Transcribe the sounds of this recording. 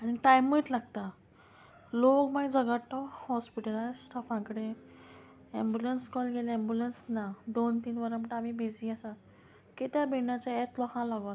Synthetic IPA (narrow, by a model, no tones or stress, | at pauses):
añiʈajmːəːʈlaɡt̪a | lokmaid͡zəɡat̪ːɔhɔspiʈəlasʈʰafãkɽe | ɛmbjulenskɔlɡʱelɛmbjulensnad̪ont̪iːnʋəɾãməʈamibid͡zĩasã | kit̪jabiɳat͡ɕaɛt̪lɔkãlaɡɔ